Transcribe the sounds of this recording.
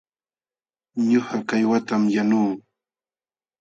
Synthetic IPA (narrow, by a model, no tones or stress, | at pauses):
ɲʊhakajwat̪amjanuː